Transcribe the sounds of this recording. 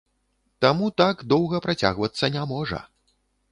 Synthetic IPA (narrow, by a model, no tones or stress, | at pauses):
t̪amut̪aɡd̪ɔwɣɐpɾat͡sʲa̰ɣvɐt̪sːɐnʲamɔʐɐ̰